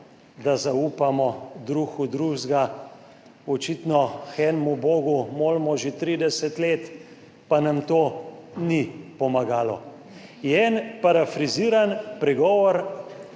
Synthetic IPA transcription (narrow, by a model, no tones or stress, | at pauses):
d̪azauːpamɔd̪ɾuxud̪ɾuʒɡa | ɔt͡ʃit̪nɔxɛnmuboːɡumoːlmɔʒet̪ɾid̪ɛsɛt̪leːt̪ | panamt̪oːnipɔmaɡaːlɔ̰ | jɛɛnpaɾafɾiziːɾanpɾɛɡɔːʋɔɾ